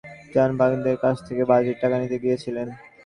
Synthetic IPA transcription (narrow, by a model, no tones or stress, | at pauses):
d͡ʑanbʱaɡd̪eɾkat͡ɕʰt̪ʰekebad͡ʑeʈ̚ʈakanit̪eɡijet͡ɕʰilen